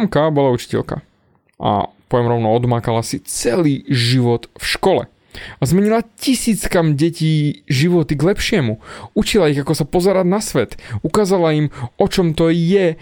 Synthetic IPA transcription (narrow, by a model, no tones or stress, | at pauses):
mkabɔlaut͡ʃi̥cɛ̰lka̰ | ʔa̰pɔʋjɛmɾɔʊnɔɔd̪maːkalasit͡sɛliːʒiʋɔt̪fʃkɔlɛ̰ | azmɛɲilacisiːt͡skamɟɛciːʒiʋɔt̪iɡlɛpʃɪɛmuut͡ʃilaiɣakɔsapɔzɛɾaɟnasʋɛt̪ukaːzalaimɔt͡ʃɔmt̪ɔjɛ